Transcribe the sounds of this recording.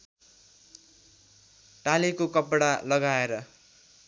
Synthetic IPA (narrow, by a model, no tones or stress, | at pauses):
ʈalikokʌpɽalʌɡaeɾʌ